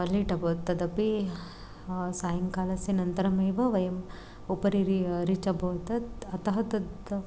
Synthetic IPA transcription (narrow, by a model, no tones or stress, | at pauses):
ɐliʈɐbɐt̪ːɐd̪ɐpi | saːjɐŋkaːlɐsenɐnt̪ɐɾɐmeːʋɐʋɐjɐm | upɐɾiɾiɾit͡ʃɐbʱɐʋt̪ɐt̪ɐt̪ɐɦɐt̪ɐd̪